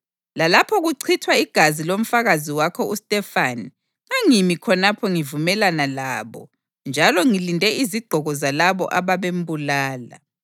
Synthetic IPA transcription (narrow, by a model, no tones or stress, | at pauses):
lalapʰɔɣuǀʰitʰwaiɡ̥ʱazilom̩faɣaziwakʰɔustʼɛfani | ŋaŋimikʰɔnapʰɔŋivumɛlanalaːβɔ̰ | nd͡ʒʱalɔŋilindʱɛiziɡ͡ǃʱɔɣɔzalaβɔ̰ʔaβaβembʱulaːla̰